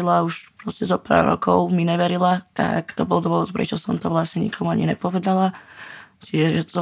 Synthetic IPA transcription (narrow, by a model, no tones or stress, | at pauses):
ilauʃpɾɔscɛzɔpa̰ɾɾɔ̰kɔʊmiɲɛʋɛɾilat̪a̰kt̪ɔbɔld̪ʋɔɔt̪pɾɛ̰t͡ʃɔsɔmt̪ɔʋlasɲɛɲḭkʰɔmuaɲinɛpɔʋɛd̪ala | t͡ʃiʒɛʒɛt̪ɔ